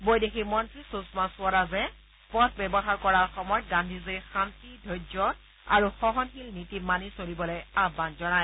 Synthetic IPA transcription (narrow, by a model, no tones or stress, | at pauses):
bojdekʰimɔntɹisusmasʊɔɹazɛ | pɔtʰbɛbɔxaɹkɔɹaɹxɔmɔjɔt̚ɡandʱizexantidʱojd͡ʒɔ | a̰ɹuxɔɦɔnxilnitimanisolibɔlɔjabːanzɔnaj